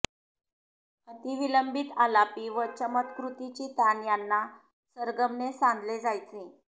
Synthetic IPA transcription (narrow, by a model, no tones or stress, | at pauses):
ət̪iʋiləmbit̪alapiːʋət͡ɕəmət̪kɾut̪it͡ɕiːt̪janjanːa | səɾɡəmnesãnd̪ʱled͡zajt͡se